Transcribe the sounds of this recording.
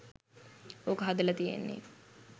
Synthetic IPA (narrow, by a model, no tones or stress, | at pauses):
oːkəɦad̪ɐlɐt̪ijḛnːḛ